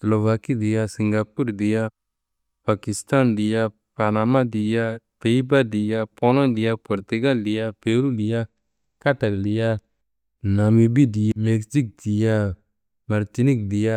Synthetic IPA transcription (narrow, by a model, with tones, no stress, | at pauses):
slo˨va˨ki˦di˨ja˦si˨ŋɡa˨pu˦ɾdi˨ja˦ | pa˨ki˨st̪a˦ndi˨ja˦ | pa˨na˨ma˦di˨ja˦pe˨i˦ba˦di˨ja˦po˦lɔ˦ndi˨ja˦po˨ɾt̪u˨ɡa˦ldi˨ja˦pe˨ɾu˦di˨ja˦ | ka˦ta˨ldi˨ja˦ | na˨mi˨bi˦di˨jame˨ksi˦k̚di˨ja˦ | ma˨ɾt̪i˦ni˦k̚di˨ja˦